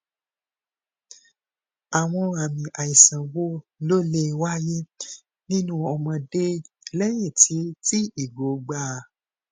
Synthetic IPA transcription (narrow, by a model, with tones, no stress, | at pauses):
a˨w̃ɔ̃˧a˨mĩ˨ʔa˨i˨sã˨wo˦lo˦˨le˧˦˧wa˦je˦ | nĩ˦nũ˦ɔ˧mɔ̃˧de˦ | lɛ˦j̃ẽ˦˨ti˨˦ti˦i˨ɡo˨ɡ͡ba˧˨